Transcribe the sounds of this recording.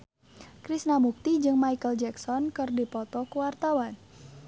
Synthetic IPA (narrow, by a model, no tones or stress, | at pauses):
kɾisnamuk̚t̪id͡ʒɨŋmajkəld͡ʒɛksɔnkɨrdipɔt̪ɔkuwart̪awan